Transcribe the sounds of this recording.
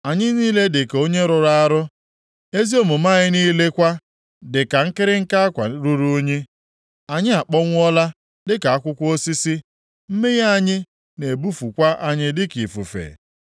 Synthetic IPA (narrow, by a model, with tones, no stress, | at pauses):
a˨ɲɪ˦niː˦le˦dɪ˨ko˦ɲe˦ɾʊ˨ɾa˦ɾʊ˦ | e˦zi˦o˦mʊ˨ma˦ɲɪ˦niː˦le˦kʷa˦ | dɪ˨ka˨ŋ̩˦kɪ˦ɾɪ˦ŋ̩˦ka˦a˦kʷa̰˨ɾu˦ɾu˦o˦ɲe˦ | a˨ɲɪ˦a˨k͡pɔ˦ŋʷ˦ɔ˦la˦ | dɪ˦ka˨a˦kʷʊ˦kʷo˦si˦si˦ | m̩˦me˦ɣa˦˨ɲɪ˦ | ne˨bu˦fu˨kʷa˦ʔa˦ɲɪ˦dɪ˦ki˨fṵ˨fḛ˨